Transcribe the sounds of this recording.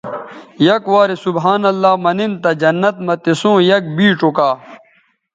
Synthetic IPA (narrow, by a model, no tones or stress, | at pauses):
jɐkwaːɾisubɦaːnɐlːaːmɐnint̪ɐd͡ʑɐnːɐt̪mɐt̪isõːjɐk̚biːʈ͡ʂokaː